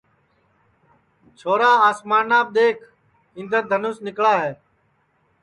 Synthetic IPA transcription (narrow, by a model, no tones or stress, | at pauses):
t͡ʃʰoːɾaːaːsmaːnaːb̚ɗ̪eːkʰ | ɪ̃nd̪əd̪ʱənʊːsnɪkɭaːɦeː